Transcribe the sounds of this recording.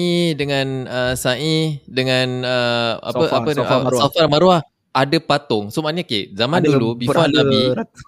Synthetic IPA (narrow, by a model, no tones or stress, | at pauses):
idəŋãnəsaʔidəŋanəa̰əʔapəsafarmaɾuah | adəpat̪ʊŋsumanɲakḛzamandulubbifanabbi